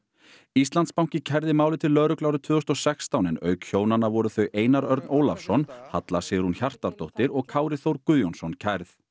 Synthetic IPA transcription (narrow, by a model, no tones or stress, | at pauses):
ist̪lant̪spawŋ̥cɪcʰɛɾðɪmaːwlɪt̪ʰɪlːœːɾʏklawɾʏt̪ʰvʏːðɔst̪ɔsɛkst̪awnɛnœ̰ːɥkçjoːwnanːavɔɾʏθœɥʔeːjnaɾœɾt̪noːwlafsɔnhat̪lasɛɾhunçar̥t̪aɾt̪owht̪ɪɾɔɣkʰaːwɾɪθowɾkʏðjɔnsɔncʰɛɾθ